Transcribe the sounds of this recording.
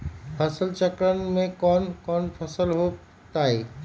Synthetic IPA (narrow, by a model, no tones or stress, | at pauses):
pʰəsəlt͡ʃəkɾənmẽkɔːnkɔːnpʰəsəlɦo | t̪aːeː